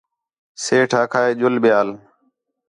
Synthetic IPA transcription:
seːʈʰaːkʰaːeːd͡ʒʊlɓɪjaːl

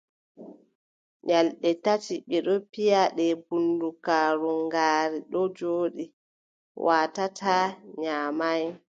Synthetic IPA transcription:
ɲalɗɛtatiɓɛɗɔpijaɗɛbundukaːɾuŋɡaːɾiɗɔd͡ʒoːɗi | wʔaːtatʰaɲaːmaj

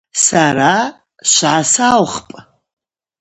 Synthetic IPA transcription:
saɾa | ʃʷʕasawχpʼ

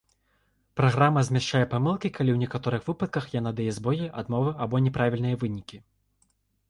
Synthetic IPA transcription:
pɾaɣɾamɐzʲmʲɛʂt͡ʂajɛpamɨlˠkʲikalʲiwnʲɛkat̪ɔɾɨxvɨpɐt̪̚kɐxjanad̪ɐjɛzbɔjiʔad̪mɔvɨɐbɔnʲɛpɾavʲilʲnɨjɐvɨnʲikʲi

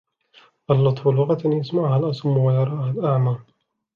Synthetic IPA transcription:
ʔalːɑt̪ˤfʊlʊɣat̪jasmaʕʊhalʔɑsˤʊmːwajɑɾˤɑːhalʔaʕmɑː

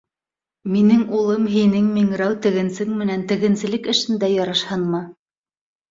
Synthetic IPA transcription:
minɘŋulˠɤmɦinɘŋmiŋɾæwt̪ɘ̆ɣɘ̆nsɘŋmɘ̆nænt̪ɘ̆ɣɘ̆nsɘ̆lɘkɘ̆ʃɘ̆nd̪æjɑɾɑʃhɑnmɑ

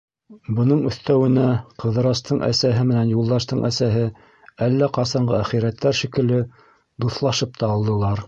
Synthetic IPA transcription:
bɤ̆nɤɴɵ̆θt̪æwɘ̆næqʰɤ̆ðɤ̆ɾɑst̪ɤɴʔæ̰sæɦɘmɘ̆nænjulˠd̪ɑʃt̪ɤɴʔæsæɦɘ | ælːæqɑsɑɴɢɤæχiɾæt̪ːæɾʃikɘ̆lɘ | d̪uθlˠɑʃɤp̚t̪ɑːlˠd̪ɤ̆lˠɑɾ

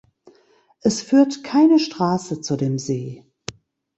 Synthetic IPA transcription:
ʔɛsfyːɐtkʰaɪnəʃtʁ̥aːsət͡sudeːmzeː

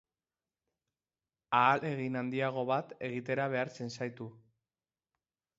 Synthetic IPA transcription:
aːle̞ɣinand̪iaɣ̞o̞βat̪e̞ɣ̞it̪e̞ɾaβe̞aɾt͡se̞nsajt̪u

